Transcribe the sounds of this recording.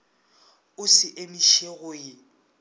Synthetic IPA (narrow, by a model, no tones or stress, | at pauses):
ʊsɪʔemiʃeɣʊɪ